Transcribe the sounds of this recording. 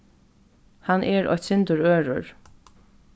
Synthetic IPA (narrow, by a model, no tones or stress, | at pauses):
hanʔɛɹʔɔ̰çt̪sɪnt̪əɹøːɹʊ̰ɹ